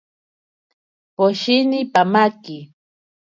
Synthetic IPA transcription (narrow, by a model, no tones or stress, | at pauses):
poʃɪnɪpamakɪ